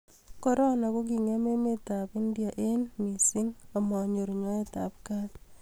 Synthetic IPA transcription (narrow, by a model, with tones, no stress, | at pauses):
kɔ˦ɾɔ˦na˨ko˦k̬i˨ŋe˦me˦me˦ta˨pɪ˦ndja˨ʔe˦nmi˨sɪ˦ŋa˨mɔ˨ɲo˨ɾɲɔ˦e˦ta̰˨p̚ka˦s